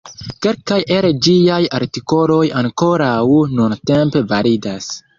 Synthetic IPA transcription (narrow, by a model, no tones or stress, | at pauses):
ke̞lkajʔe̞ɾed͡ʒiajaɾtiko̞lo̞jaŋko̞ɾawnunte̞mpe̞vaɾidas